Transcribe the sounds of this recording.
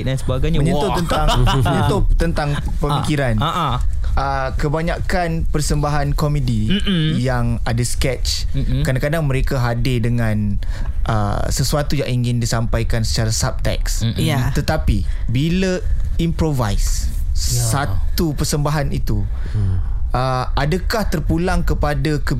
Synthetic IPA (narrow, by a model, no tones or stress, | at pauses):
dansəbaɡajɲməɲə̃t̪ot̪ənt̪aŋməɲə̃nt̪ot̪ənt̪aŋ | pəmikiɾana | ʔə | kəbaɲakanpərsəmbaɦankɔmədijaŋadaskɛt͡ʃ | kɾadakadaŋməɾekaɦadɪdəŋãnʔə̰səsuat̪ujaŋiŋɡɪndisampajkansə̥t͡ʃaɾasab̚t̪ɛ̰kst̪ət̪apibiləimpɾova̰js | sat̪upərsəmbaɦanit̪u | ʔə | adakaht̪ərpulaŋkəpadakə